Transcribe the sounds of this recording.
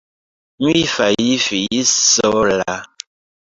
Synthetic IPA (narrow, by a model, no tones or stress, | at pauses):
m̩ifajifijisɔla